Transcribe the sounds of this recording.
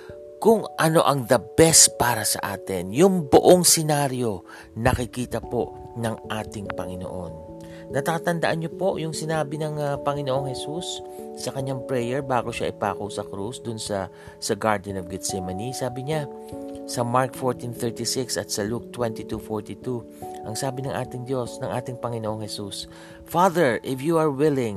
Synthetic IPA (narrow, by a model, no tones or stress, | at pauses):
kʊŋʔɐno̞ʔɐŋd̪ɐbɛst̪̚paːɾɐsɐ̰ʔaːt̪ɛnjʊŋbʊʔoŋsɛnaːɾjo̞ | nɐkɪkiːt̪ɐpo̞ʔ | nɐŋʔaːt̪ɪŋpɐŋɪno̰ʔo̞nː | ɐt̪ɐkɐt̪ɐnd̪ɐʔanɲopo̞ʔjʊŋsɪnaːbɪnɐŋpɐŋɪnoʔoŋhɛsusː | ɐkɐɲːaŋpɹɛjɛɹbaːɡoʃa̰ʔɪpaːkowsɐkɾusd̪ʊnsɐ | sɐɡaɹd̪ɛnovɡɪd̪sɛmɐnisaːbɪɲa | sɐmaɹk̚foɹt̪inθɛɹt̪isɪksɐt̪sɐluk̚t̪wɛnt̪it̪ufoɹt̪it̪u | ʔɐŋsaːbɪnɐŋʔa̰ːt̪ɪŋd̪jo̞snɐŋʔaːt̪ɪŋpɐŋɪnoʔoŋhɛsus | faðɛɹʔɪfjuɐɹwɪlɪ̃ŋ